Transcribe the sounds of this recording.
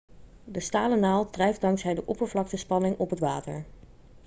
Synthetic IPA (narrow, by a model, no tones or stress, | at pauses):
dəstaːlənaːlˠdrɛjfdɑŋksɦɛjdəʔɔpəɹvlɑk̚təspɑnɪŋɔpɦətʋaːtəɹ